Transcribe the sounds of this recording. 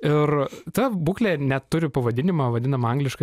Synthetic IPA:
ɪrt̪ɐbuːklʲeːnʲɛt̪ːʊɾʲɪpɐʋɐd̪ʲɪnʲɪmɑːʋɐd̪ʲɪnɐmɐŋɡlʲɪʃkɐ

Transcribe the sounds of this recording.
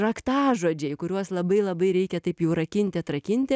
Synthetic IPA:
ɾɐkt̪ɑːʒoːd͡ʒʲɛɪkʊɾʲuɔslˠɐbɐɪlˠɐbɐɪɾʲɛɪkʲɛt̪ɐɪpjɛʊɾɐkʲɪnʲt̪ʲɪɐt̪ɾɐkʲɪnʲt̪ʲɪ

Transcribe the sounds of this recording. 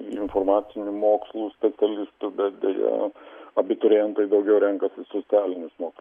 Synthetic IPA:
ɪnfoːrmɑːt̪sʲɪnʲʊmoːkslˠuːsʲpʲɛt̪sʲɛlʲɪst̪ʊbʲɛt̪̚d̪ʲɛ̰jɛ̰ɐbʲɪt̪ʊɾʲejɛnt̪oɪd̪ɐʊɡʲɛʊɾʲɛŋkɐsʲɪsoːt͡s̪ʲæːlʲɪnʲʊsmoːkslˠ

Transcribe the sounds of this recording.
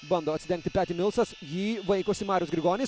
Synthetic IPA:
bɐnd̪oːɐt̪sʲɪd̪ʲɛ̃ŋk̚t̪ɪpʲæːt̪ʲɪmʲɪlˠsɐsjiːʋɐɪkʊsɪmɑːɾʲjʊsɡɾʲɪɡoːnʲiːs

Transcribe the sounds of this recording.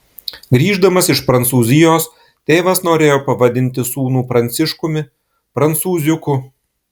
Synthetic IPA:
ɡɾʲiːʒd̪ɐmɐsɪʃpɾɐnt̪suːzʲɪjoːs | t̪ʲeːʋɐsnoːɾʲeːjoːpɐʋɐd̪ʲɪnʲt̪ʲɪsuːnuːpɾɐnʲt̪sʲɪʃkʊmʲɪ | pɾɐnt̪suːzʲʊkʊ

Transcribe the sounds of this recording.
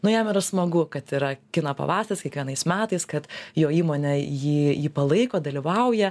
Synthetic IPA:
nʊjɛmɪɾɐsmɐɡʊkɐt̪iɾɐkʲɪnɐpɐ̰ʋɑːsʲt̪ʲɪskʲɛkʋʲiɛnɐɪsmʲæːt̪ɐɪskɐt̪joːiːmoːnʲɛjiːjiːpɐlˠɐɪkoːd̪ɐlʲiʋɐʊjɛ

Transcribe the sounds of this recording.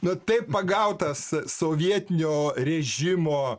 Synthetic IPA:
nʊt̪ɐɪppɐɡɐʊt̪ɐssoːʋʲiɛt̪ʲɪnʲoːɾʲɛʒʲɪmoː

